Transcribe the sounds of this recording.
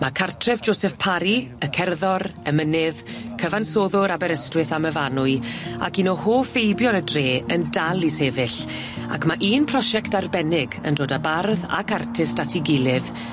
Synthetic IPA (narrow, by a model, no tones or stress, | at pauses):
makʰartʰrɛvd͡ʒoːsɛfpʰaɾiəkʰɛrðɔɾəmənɪvkʰəvansoːðʊɾabɛɾəstwɪθaməvanʊɨa̰kinɔhoːfejbjɔnədreːəndalˠiseːvɪɬ | a̰kʰmaʔiːnpʰrɔʃɛktarbɛnɪɡə̰ndoːdabarða̰kartʰɪstatʰiɡɪlˠɪv